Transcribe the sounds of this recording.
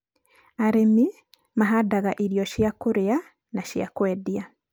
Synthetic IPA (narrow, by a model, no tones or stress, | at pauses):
aɾemi | maɦadaɣaʔiɾijɔʃijakuɾea | naʃija̰kwɛdia